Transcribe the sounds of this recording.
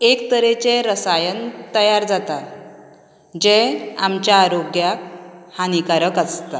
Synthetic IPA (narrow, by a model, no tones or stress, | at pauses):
ekt̪əɾet͡ɕeɾəsajənt̪əjaɾd͡zat̪a | d͡ʑeamt͡ɕjaːɾoɡjakhanikaɾəkast̪a